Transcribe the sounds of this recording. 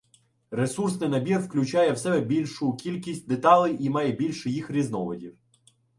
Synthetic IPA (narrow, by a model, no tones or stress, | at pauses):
ɾesursnɪjnɐbʲirwklʲʊt͡ʃɑjɛwsɛbɛbʲilʲʃʊkʲilʲkʲisʲt̚ʲd̪et̪ɑlˠɪjimɑjɛbʲilʲʃɛjixɾʲiznɔʋɔdʲiw